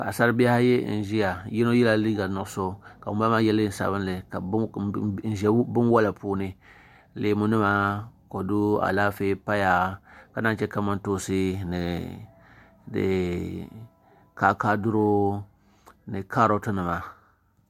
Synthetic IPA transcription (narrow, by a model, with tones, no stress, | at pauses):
ka˨a˨sa˦ɾɨ˦bi˦a˦ha˦jɛ˦n̩˨ʒi˦ja˨jɛ˦no˦jɛ˦la˦liː˦ɡa˨nʊ˨ʔso˦ka˨bʊ˨˦ba˦ma˦jɛ˦lɨ˦n˨sa̰˨βɨ˦nlɨ˨ka˨˦n̩˨ʒɛ˨˦bɨ˦nwa˦la˨puː˦nɨ˦ | leː˨mu˦nɨ˦ma˨˦ko˨du˦a̰˨la˦feː˦pa˦ja˨ka˨na˦n˦t͡ʃɛ˦ka˦ma˦ntoː˦sɨ˦nɨ˨ | dɨ̰˨ | ka˦ka˦dʊ˦ɾo˦ | nɨ˨ka˦ɾo˦tʊ˦nɨ˨ma˨